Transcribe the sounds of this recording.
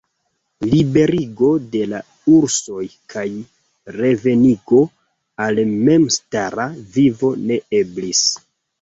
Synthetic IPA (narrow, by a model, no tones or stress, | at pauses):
libe̞ɾiɡo̞de̞la | uɾso̞jkʰaj | re̞ve̞niɡo̞ | alme̞mstaɾavivo̞ne̞eblis